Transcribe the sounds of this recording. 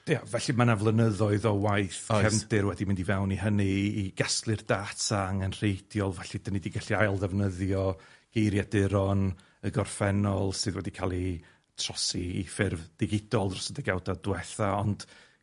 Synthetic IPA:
iavɛɬimanavlˠənəðɔɨðɔwajθkʰɛmdɨɾwɛdimɪndivɛwniɦəniːɡ̥asklˠɨrdaːtʰaaŋɛnr̥ejd̥jɔlˠvɛɬid̥ənidiɡaɬiajlˠðɛvnəðjɔɡ̥ejɾjadɪɾɔn | əɡɔrfɛnɔlˠsɨðwɛdikʰalˠi | tʰr̥ɔsiːfɪrvd̥ɪɡɪd̥ɔlˠrɔ̥səndɛɡawdadwɛθaɔnd̥

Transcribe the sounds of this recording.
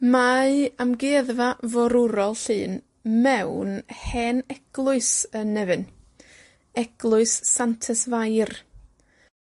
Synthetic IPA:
maɨamɡeːðvavɔɾʊɾɔlˠɬɨːn | mɛwnhɛnɛɡ̥lˠʊɨsənɛvɨn | ɛɡ̥lˠʊɨsːantʰɛsvajr

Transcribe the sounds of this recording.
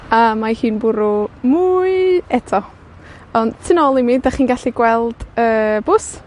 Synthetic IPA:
amahiːnbʊɾʊmuɨɛtʰɔ | ɔndtʰɪnɔlˠimidaχiːnɡaɬiɡwɛlˠd̥əːbʊs

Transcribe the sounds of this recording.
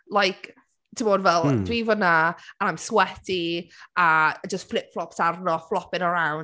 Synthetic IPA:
lˠajk | tʰimoːdvɛlˠdwivɔnaənajmswɛtiad͡ʒəstflɪp̚flˠɔpsarnɔflˠɔpɪnəɾawn

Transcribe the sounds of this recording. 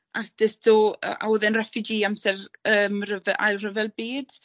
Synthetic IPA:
ʔard̥ɪsdoːə̰ʔa̰wəðɛnrafɪd͡ʒiːamsɛrəːmrəvɛʔa̰jlˠrəvɛlˠbiːd̥

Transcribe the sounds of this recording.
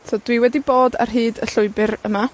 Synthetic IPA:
tʰoːdwiwɛdiboːda̰rɦiːdəɬʊɨbɨɾəma

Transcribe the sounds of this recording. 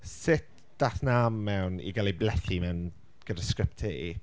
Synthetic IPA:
sɪt̚ | d̥aθnamːɛwnḭɡaliblɛθimɛwn | ɡ̥ədaskɾɪptʰeḭ

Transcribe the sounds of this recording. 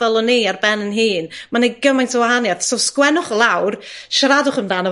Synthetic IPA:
ɛlˠɔniarbɛnənɦiːnmanejɡəmajntʰəwaɦanjaðsoskwɛnʊχlˠawrʃaɾadʊχəmdaːnɔ

